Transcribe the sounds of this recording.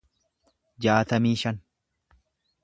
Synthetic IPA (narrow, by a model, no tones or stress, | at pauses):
d͡ʒaːt̪ɐmiːʃɐn